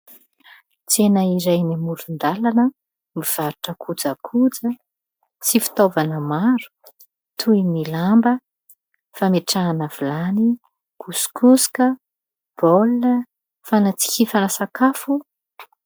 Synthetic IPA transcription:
t͡senəiɾajnimulund̪alanə | miv̥aɾuʈ͡ʂəkʰud͡zəkʰud͡zə | t͡sifi̥t̪ovanəmaɾu̥ | t̪ʰuinilambə | fameʈ͡ʂaːnav̥ulani | kuskuskə | b̥olə | fanat͡si̥kʲifanasakafu

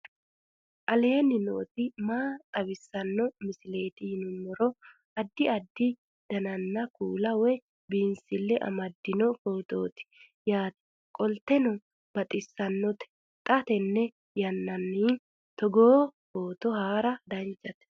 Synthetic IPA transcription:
ʔɐle̞ːnːɪno̰ːt̪ɪmaːt̪ʼɐwɪsːɐnːɔmɪsɪle̞ːt̪ɪɪnʊnːɔɾɔ | ɐd̪ːɪɐd̪ːɪ | d̪̥ɐnɐnːɐkuːlɐwɛ | biːnsɪlːɛʔɐ̰mɐd̪ːɪnɔkoːt̪o̰ːt̪ɪ̥ | jaːt̪ɛ̥ | kʼɔlt̪ɛnɔ | b̥ɐt̪ʼɪsːɐnːɔt̪ɛ̥ | t̪ʼɐt̪ɛnːɛ | jɐnːɐnːiː | t̪ɔɡoːkoːt̪ɔhaːɾɐd̪ɐnt͡ʃːɐt̪ɛ̥

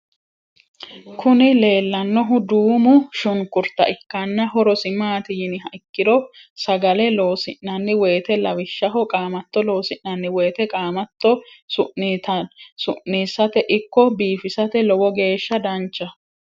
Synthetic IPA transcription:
kʰʊnɪle̞ːlːɐnːɔɦʊd̪uːmʊʃʊŋkʊɾt̪ːɐ̰ʔɪkːɐnːɐɦɔɾɔsɪmaːt̪ɪjɪnɪɦɐʔɪkːɪd̪ɔsɐɡɐlɛloːsɪʔɐnːɪweːt̪ɛlɐwɪʃːɐɦɔkʼaːmɐt̪ːɔlo̞ːsɪnnɐnːɪweːt̪ɛkʼaːmɐt̪ːɔsʊʔt̪sʊʔnːiːsːɐt̪ɛʔɪkːɔbiːfɪsɐt̪ɛlɔwɔɡe̞ːʃːɐd̪ɐnt͡ʃːɐ

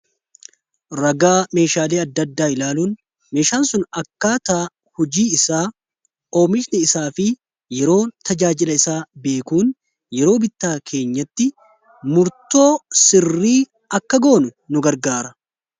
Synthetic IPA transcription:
ɾɐɡaːme̞ːʃaːleːɐd̪ːɐd̪ːaːɪlaːluːn | me̞ːʃaːnsʊnɐkːaːt̪aː | hɔd͡ʒiːɪsaː | o̞ːmɪʃnɪɪsaːfɪ | jɛɾo̞ːt̪ʰɐd͡ʒaːd͡ʒɪlɐɪsaːbe̞ːkuːn | jɛɾo̞ːbɪt̪ːaːkʰe̞ːɲːɐt̪ːɪ | mʊɾt̪o̞ːsɪrːiː | ɐkːɐɡo̞ːnʊnʊɡɐɾɡaːɾɐ

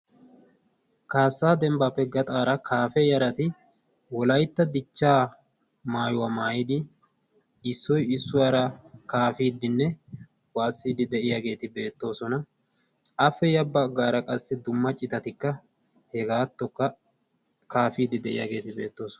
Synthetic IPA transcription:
kaːsːaːd̪ɛmbapːɛɡɐt̪ʼaːɾɐkʰaːfɛjɐɾɐt̪ɪ | wɔlɐjt̪ːɐd̪ɪt͡ʃːaː | maːjʊwamaːjɪd̪ɪ | ɪsːɔjɪsːʊwaːɾɐkaːfiːd̪ːɪnːɛ | waːsːiːd̪ɪd̪ɛʔɪjaɡe̞ːt̪ɪbe̞ːt̪ːo̞ːsɔnɐ | ʔɐfːɛjɐbːɐɡaːɾɐkʼɐsːɪd̪ʊmːɐt͡ʃʼːɪt̪ɐt̪ɪkːɐ | hɛɡaːt̪ːɔkːɐ | kaːfiːd̪ɪd̪ɛʔɪ̰ja̰ɡe̞ːt̪ɪbe̞ːt̪ːo̞ːsɔ̥n

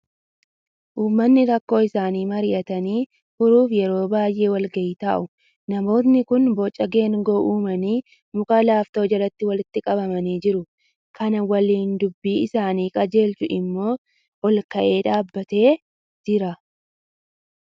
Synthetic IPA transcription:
ʔuːmːɐnːɪɾɐkːo̞ːɪsaːniːmɐɾɪʔɐt̪ɐniː | hʊɾuːfjɛɾo̞ːbaːjʔe̞ːwɐlɡɐʔɪt̪a̰ːʔʊ | nɐmo̞ːt̪̬nɪkʊnbɔt͡ʃʼːɐɡe̞ːŋɡo̞ːʔuːmɐniː | mʊkʼɐlaːft̪o̞ːd͡ʒɐɾɐt̪ːɪwɐlɪt̪ːɪkʼɐbɐmɐniːd͡ʒɪɾʊ | kʰɐnɐwɐliːnd̪ʊbːiːɪsaːniːkʼɐd͡ʒe̞ːlt͡ʃʊʔɪmːo̞ː | ɔlkɐʔe̞ːᶑaːbːɐt̪e̞ː | d͡ʒɪɾɐ

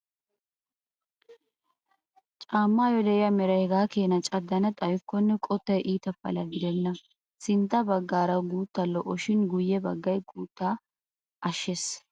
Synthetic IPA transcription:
t͡ʃʼaːmːaːjɔd̪ɛɪjɐmɛɾɐjɡaːkeːnɐt͡ʃʼɐd̪ːɐnɐt̪ʼɐjʊkːɔnːɛkʼɔt̪ːɐjʔiːt̪ɐfɐ̰lɐɡɪd̪ɛnːɐ | sɪnt̪ːɐbɐɡːaːɾɐɡuːt̪ːɐlɔʔːɔʃɪnɡʊjːɛbɐɡːɐjɡuːt̪ːaː | ʔɐʃːes

